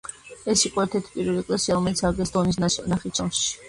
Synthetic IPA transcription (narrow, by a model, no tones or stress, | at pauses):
ɛsiqʼɔɛɾt̪ʰɛɾt̪ʰi̥pʼiɾvɛliɛkʼlasiaɾɔmɛlit̪sʰaɡlɛsd̪ɔnis̬naχit͡ʃʰɔnʃi̥